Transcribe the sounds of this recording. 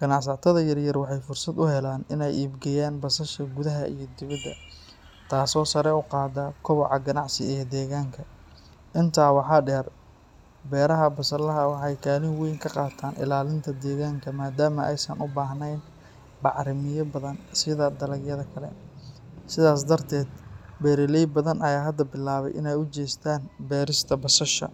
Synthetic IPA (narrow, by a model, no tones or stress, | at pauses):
ɡ̥ɐnɑʕsɐʕt̪ʰɐðɐjɐrjɐrwɑħɑjfʊrsɐd̪ʊhɛlaːnɪnɛjʔiːbɡɛjaːnbɐsɐʃɐɡʊðɐɦɐ̰ʔḭjɞd̪ɪβɐd̪ːɐ̰ | t̪ʰaːsɔːsɐɾɛʊqɑːd̪ɐkʰɔβɔʕɑɡɐnɑʕsɪɛd̪ɛːɣaːŋkʰɐ | ʔɪnt̪ʰaːwɑħɑːɖɛːr | bɛːɾɐɦɐbɐsɐlɐɦɐwɑħɑjkʰaːlɪnwijŋkʰɐqɑːt̪ʰaːnʔɪ̰laːlɪnt̪ʰɐd̪ɛːɣaːŋkʰɐmaːd̪aːmɐʔɛjsɐnʔʊbaːɦnɛjn | bɑʕɾɪmɪjɐbɐðɐnsɪðɐd̪ɐlɐɡjɐðɐkʰɐlɛ̰ | sɪðaːs̬d̪ɐrt̪ʰɛːd̪bɛːɾɪlɛjbɐðɐnʔɐjaːɦɐd̪ɐbɪlaːβɛ̰jʔɪ̰nɛjʊt͡ʃɛːst̪ʰaːnbɛːɾɪst̪ʰɐbɐsɐʃɐ̰